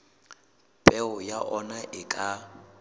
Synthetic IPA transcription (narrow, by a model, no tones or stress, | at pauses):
pʼɛʊjaʔɔnaʔɪkʼa